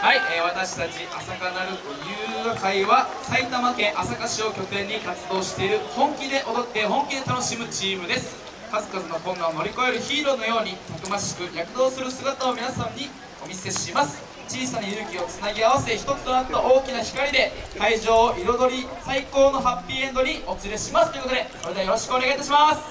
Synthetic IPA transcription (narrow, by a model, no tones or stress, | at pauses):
haiβ̞at̪aɕi̥t̪at͡ɕiʔasaɡanaɾɯ̟t̪ojɯ̟ːakaiβa | sait̪amakẽ̞ɰ̃ʔasakaɕio̞kʲo̞t̪ẽ̞ɲ̟ːikat͡sɨd̪o̞ːɕi̥t̪e̞iɾɯ̟hõ̞ŋkʲid̪e̞ʔo̞d̪o̞t̪ːe̞ɦõ̞ŋkʲid̪e̞t̪ano̞ɕimɯ̟t͡ɕiːmɯ̟d̪e̞sɨ̥ | kazɨkazɨno̞kõ̞ŋɡaono̞ɾʲiko̞e̞ɾɯ̟çiːɾo̞no̞jo̞ːɲ̟it̪okɯ̟maɕi̥kɯ̟jakɯ̟d̪o̞ːsɨɾɯ̟sɨɡat̪ao̞mʲinasãɲ̟ːi | o̞mʲise̞ɕimasɨ̥ | t͡ɕiːsanajɯːkʲio̞t͡sɨnaɡʲeaβ̞ase̞çi̥t̪o̞t͡sɨ̥t̪o̞nat̪ːaʔo̞ːkʲinaçi̥kaɾʲid̪e̞kaiʑo̞ːʔiɾo̞d̪o̞ɾʲisaiko̞ːno̞ɦapʲːiːẽ̞nd̪o̞ɲ̟io̞t͡sɨɾe̞ɕimasɨ̥t̪oikot̪d̪eso̞ɾed̪ajo̞ɾo̞ɕi̥kɯ̟o̞ne̞ɡait̪aɕ̬imasɨ̥